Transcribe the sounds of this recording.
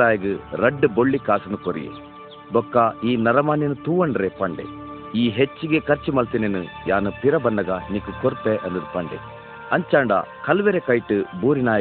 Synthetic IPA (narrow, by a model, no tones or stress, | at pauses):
aːjɐɡɨɾɐɖːɨboɭːikaːsɐnukoɾḭjḛ | bɔkːaiːnɐɾɐmaːninut̪uːɐɳɖɾepɐɳɖḛ | iːɦet͡ʃːiɡekɐɾt͡ʃːimɐlt̪inenujaːnupiɾɐbɐnːɐɡɐniːkukoɾt̪ːeʔɐnd̪ɐd̪upɐɳɖḛ | ɐɲt͡ʃaːɳɖa̰kɐlʋeɾekɐjʈɨbuːɾinaːjɐ